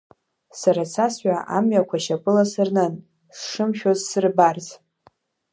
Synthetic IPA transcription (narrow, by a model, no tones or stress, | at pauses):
saɾat͡sʰasɥʷaʔa̰mɥakʷʰaʃapʼɨlasɨrnɨn | sʂɨmʃᶣozsɨrbarz